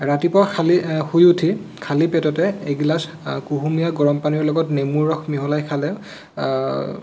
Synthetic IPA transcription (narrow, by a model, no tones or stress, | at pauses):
ɹatipɔkʰalixujutʰikʰalipɛtɔtɛejɡilas | kuɦumijaɡɔɹɔmpaniɔlɔɡɔtnemuɹɔxʰmiɦɔlajkʰalɛ